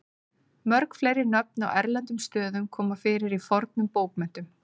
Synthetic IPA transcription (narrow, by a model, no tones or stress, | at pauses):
mœɾkflejɾɪnœp̚na̰wʔɛ̰ɾlɛnt̪ʏmst̪œːðʏmkʰɔːmafɪːɾɪɾifɔɾt̪̚nʏmpoːwpmɛn̥t̪ʏm